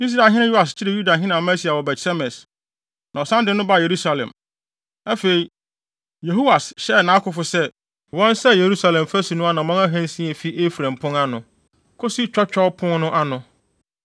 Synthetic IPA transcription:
i˦s̬ɾa˨ɦɪ̃˦nɪ̃˦ju˦a˨s̬t͡ɕʰɪ˦ɾɪ˨ju˦da˨ɦɪ̃˦nã˨mã˦si˦a˨wɔ˨bɛ˨tsɛ˦mɛ̃˨s | nã˨ɔ˨sã˦ndɪ̃˦nʊ̃˦ba˦˨je˨ɾu˦sa˨lɛ̰̃˨m | ɛ˦fe˨ɾi˨ | je˨ɦo˦wa˨sɕɛ˦˨nã˨˦kʰʊ˦fʊ˨sɛ˦ | wɔ̃˦nsɛ˦je˨ɾu˦sa˨lɛ̃˨m˨fæ˦su˨nʊ̃˦a˦nã˨mɔ̃˦na˦ɦæ̃˦n˦sĩ˦e˨fi˦ʔe˦fu˨ɾæ̃˨mpʰʊ̃˦na˦nʊ̃˨ | kʰʊ˦si˦t͡ɕᶣɔ˦t͡ɕᶣɔ˦pʰʊ̃˦nʊ̃˦ʔa˦nʊ̃˨

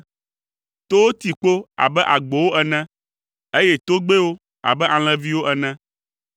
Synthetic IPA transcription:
t̪o˦wo˦t̪i˨k͡po˦a̰˨bɛ˦ʔa˨ɡ͡bo˨wo˦ɛ˨nɛ̃˦ | e˦je˦t̪o˦ɡ͡be˦wo˦ | a̰˨bɛ˦ʔa˨l̃ɛ̃˦vi˦wo˦ʔɛ˨nɛ̃˦

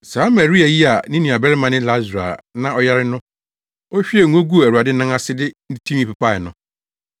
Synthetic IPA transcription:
saː˨˦ma˨ɾi˦a˨ji˦a˨nɪ̃˦nĩ˨a˨bɛ˦ɾɪ˦mã˨nɪ̃˦la˦zɾa̰˨nã˦ɔ˦ja˦ɾɪ˦nʊ̃˦ | o˦ɕᶣi˦e˦˨ŋ̩˨˦õ˦ɡu˦˨æ˨wu˨a˨dɪ˦nã˦a˦sɪ˦dɪ˦n̩˦tʰĩ˦m˦i˦pa˨pʰa˦˨ɪ˨nʊ̃˦

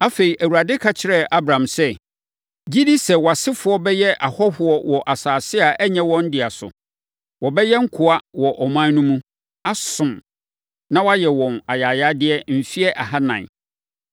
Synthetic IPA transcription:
a˦fe˨i˨ʔæ˨wu˨ɾa˨dɪ˦kʰa˦t͡ɕʰɪ˨˦ɾɛ˦ʔa˦bɾã˨msɛ˦ | d͡ʑi˦di˦sɛ˨wɔ˨a˨sɪ˦fʊ˨˦ɔ˦bɛ˦jɛ˦ʔa˨hɔ˦hʊ˦ɔ˦wɔ˨ʔa˨saː˨sɪ˦a˨ʔɛ˦ɲɛ̃˦wɔ̃˦n̩˦dɪ˨a˨sʊ̰˨ | wɔ˨bɛ˦jɛ˦ŋ̩˦kʰʊ˨a˦wɔ˨ʔɔ˨mã˦nũ˦mũ˦ | a˦sʊ̃˨m | nã˦wa˦jɛ˨wɔ̃˨na˨jaː˨ja˦dɪ˦ɛ˦m̩˨fi˦ɛ˦ʔa˨ɦa˦nã̰˨

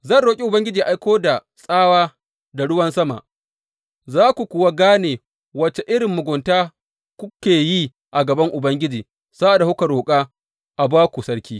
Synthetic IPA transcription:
zɐ˦˨nɽoː˨kʲʼi˦ʔʊ˨bɐ˦ŋɡʲɪ˦d͡ʒiː˨ʔa˦jkʷoː˦da˨ | sʼaː˦waː˦ | da˨ɽʊ˦wɐ˦nsɐ˦ma̰˨ʔ | zaː˦kʷu˨kʷʊ˨wa˦ɡaː˦neː˨ | wɐ˨t͡ʃe˨ʔɪ˦ɽɪ˨mːʊ˨ɡʷʊ˨ntaː˦ | kʷʊ˦kʲeː˨ji˦ | ʔa˨ɡɐ˨bɐ˦ŋʔʊ˨bɐ˦ŋɡʲɪ˦d͡ʒiː˨ | sa˦ʔa˨da˨hʊ˦kɐ˨ɾoː˨kʼaː˦ | ʔa˨baː˦kʷu˨sɐ˦ɽkʲiː˦

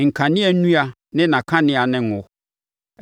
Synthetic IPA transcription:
ŋ̩˨kʰã˨nɪ̃˦ɛ˨˦nũ˦a˨ | nɪ̃˦nã˨kʰã˦nɪ̃˦a˨nɪ̃˨ŋ˨ʊ̃˨

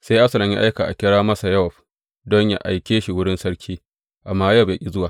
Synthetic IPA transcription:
sa˦jʔa˦sɐ˨lɐ˨mjḭ˦ʔa˦jka˨ʔa̰˨kʲɪ˦ɽaː˦mɐ˦sa˨jɐ˦wɐ˨ɸ | dɔ˦ɲja̰˦ʔa˨jkʲeː˦ʃi˨wʊ˦ɽɪ˦nsɐ˦ɽkʲʰiː˦ | ʔa˨mːaː˦jɐ˦˨be˨kʲʼi˦zʊ˦waː˨

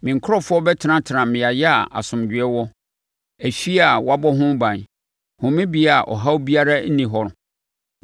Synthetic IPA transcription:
mɪ̃˨ŋ̩˨kʰɾɔ˦fʊ˦ɔ˦bɛ˦tʰɪ˨˦nã˦tʰɪ˨ɾã˨mɪ̃˨a˨jɛ˦a˨ʔa̰˨sʊ̃˨md͡ʑᶣɪ˨ɛ˦wɔ˦ | æ˨fi˦a˨wa˦bɔ˦ɦʊ̃˦bã˨n | hʊ̃˨mɪ̃˦bi˨a˨ʔɔ̰˨ɦa˦wbi˦a˦ɾa˦n̩˦nĩ˨ɦɔ˦ɾ

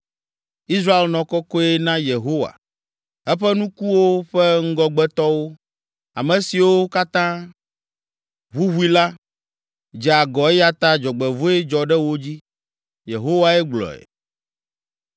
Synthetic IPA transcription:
i˦s̬ɾa˦e˨lnɔ̃˨kɔ˦kɔ˦e˦nã˦je˨ɦo˦wa̰˨ | ɛ˦ɸɛ˦nũ˦ku˦wo˦ɸɛ˦ŋ̩˦ɡɔ˦ɡ͡bɛ˦t̪ɔ˦wo˦ | a̰˨mɛ̃˨si˨wo˦ka˦t̪ã˦ | ɦu˦ɦu˦i˦la˦ | d͡ʒɛ˨a˨ɡɔ˨ɛ˦ja˦t̪a˦d͡ʒɔ˨ɡ͡bɛ˨vo˦ɛ˦d͡ʒɔ˨ɖɛ˦wo˦d͡ʑi˦ | je˨ɦo˦wa˨ɛ˦ɡ͡blɔ̰˨ɛ̰˨

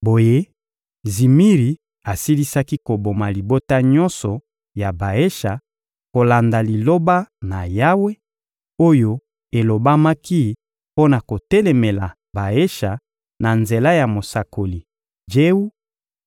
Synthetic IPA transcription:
bo˨je˦ | zi˨mi˦ʁi˨ | a˨si˦li˦sa˦ki˦ko˨bo˨ma˨li˨bo˦ta˦ɲɔ˦nsɔ˨ | ja˨ba˨e˦ʃa˨ | ko˨la˨nda˨li˨lo˦ba˦na˨ja˦we˦ | o˦jo˦ | e˨lo˨ba˦ma˦ki˦ | po˦na˨ko˨tɛ˦lɛ˨me˨la˨ | ba˨e˦ʃa˨ | na˨nze˨la˦ja˨mo˨sa˨ko˨li˨ | d͡ʒe˦u˦

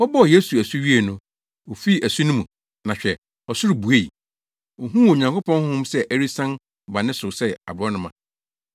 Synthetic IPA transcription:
ɔ˦bɔ˦˨je˦su˨æ˨su˦ɥi˦e˨nʊ̃˦ | wo˨fi˦˨ʔæ˨su˦nʊ̃˦mũ˨ | nã˨ɕᶣɛ˨ | ɔ˨sʊ˦ɾu˨bu˨e˦i˨ | wo˨ɦũ˦wo˨ɲã˨ŋko˦pʰɔ̃˦n˦ʊ̃˦msɛ˦ʔæ˦ɾi˦sã˦n˨ | ba˨nɪ̃˦sʊ˨sɛ˦˨a̰˨bɾɔ˦nʊ̃˦mã˨

